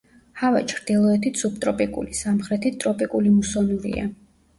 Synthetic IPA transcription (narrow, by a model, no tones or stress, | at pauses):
hava̰t͡ʃʰɾd̪̥ilˠɔɛt̪ʰisub̚t̪ʼɾɔpʼikʼṵlisamχɾɛt̪ʰit̪ʼɾɔpʼikʼulimusɔnuɾḭa̰